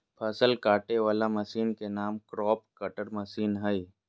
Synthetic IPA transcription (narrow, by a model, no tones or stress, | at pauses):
pʰɐsəlkaːʈeʋaːlamɐsiːnkenaːmkɾɔːp̚kɐʈəɾmɐsiːnɦəi